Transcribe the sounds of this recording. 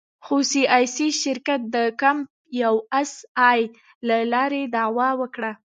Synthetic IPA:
xosiʔɑjsiʃɪɾkat̪̚d̪əkamp | jawasɑj | lalɑɾed̪ɑwɑwəkɽa

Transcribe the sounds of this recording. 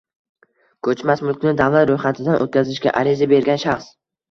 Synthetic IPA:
kʰɵt͡ʃmasmʊlˠkʲnɪd̪avlat̪ɾojχat̪ʰɪd̪anʔo̰t̪̚kʲʰazɪʃkʲa̰ʔaɾɪzabe̞ɾɡʲanʃaχs

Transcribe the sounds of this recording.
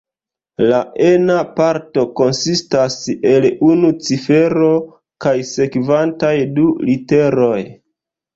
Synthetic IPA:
laʔenapaɾto̞ko̞nsistase̞lunut͡sife̞ɾo̞ | kajse̞kvantajdulite̞ɾo̞j

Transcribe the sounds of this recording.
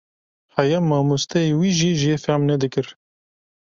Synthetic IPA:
hajɛmːɑːmust̪ɛewiːʒiːʒijefɛmnɛd̪ɨkɨɾ

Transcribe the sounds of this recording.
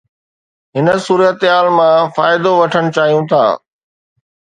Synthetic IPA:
ɦɪnə̆suːɾət̪ɦaːlmãfaːɪd̪oʋɐʈʰəɽ̃ʊt͡ɕaːɦijũt̪ʰa̰ː

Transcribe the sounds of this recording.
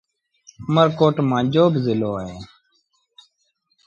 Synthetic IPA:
məɾkoːʈmãːd͡ʒoːbzɪloːeː

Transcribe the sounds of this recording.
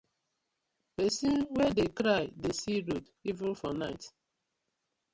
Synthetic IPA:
pɛsĩnwɛdekɾaɪdesiɾot | ivɪ̃nfɔnaɪt

